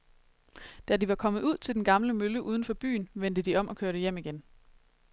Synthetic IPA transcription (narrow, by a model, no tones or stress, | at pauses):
d̥ædiʋɑ̈kʰɒ̽məð̩ˠuð̞̰ˠt͡sʰe̝ld̥enɡ̥ɑ̈mləmøləʔuːð̞ˠən̩fɒ̽b̥y̰ːnʋend̥əd̥iɒ̽mʔɒ̽kʰøɐɾəjem̰iɡ̥en